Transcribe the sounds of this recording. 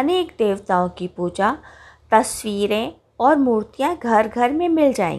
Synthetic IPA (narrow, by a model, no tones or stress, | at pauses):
ɐneːkd̪eːʋt̪aõkipuːd͡ʒa | t̪ɐswiːɾẽ | ɔːɾmuːɾt̪ijãɡʱɐɾɡʱɐɾmẽmɪld͡ʒaːḛŋɡ